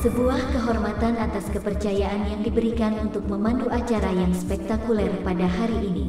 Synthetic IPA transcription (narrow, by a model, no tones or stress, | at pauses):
səbuahkəɦɔrmat̪anat̪askəpərt͡ʃajaʔanjaŋdibəɾikanunt̪ʊk̚məmanduʔat͡ʃaɾajaŋspɛk̚t̪akulɛrpadaɦaɾiʔːnḭ